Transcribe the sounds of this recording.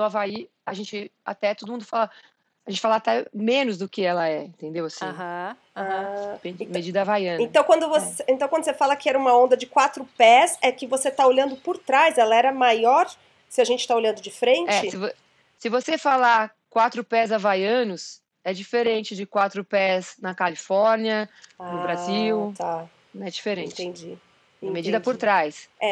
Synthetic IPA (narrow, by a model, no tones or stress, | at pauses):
ɐ̃w̃avai | aʒẽnt͡ʃɪa̰t̪ɛt̪od̪ʊmũd̪ʊfalɐ | aʒẽt͡ʃɪfalaːt̪ɛmẽnʊzd̪ʊkɪɛlɐɛĩt̪ẽnd̪ewasĩ | ãpẽmmed͡ʒid̪ɐvajɐ̃nẽt̪ɐ̃w̃kwɐ̃d̪ʊvoseẽt̪ɐ̃wkɐ̃nd̪ʊsefalɐkɪɛɾɐũmɐõnd̪ɐd͡ʒɪkwat̪ɾʊpɛsɛkɪvoset̪aoʎɐ̃nd̪ʊpoɾt̪ɾajzɛlɐɛɾɐmajɔɾ | sɪaʒẽnt͡ʃɪ̥t̪aoʎɐ̃nd̪ʊd͡ʒɪfɾẽnt͡ʃɛɪsɪvo | sɪvosefala | kwat̪ɾʊpɛzavajɐ̃nʊs | ɛd͡ʒifeɾẽnt͡ʃɪd͡ʒɪkwat̪ɾʊpɛznɐkalifɔɾniɐnʊbɾaziwt̪ã | ɛd͡ʒifeɾẽt͡ʃ̪ɪẽd͡ʒĩ | med͡ʒid̪ɐpoʊɾt̪ɾajsɛ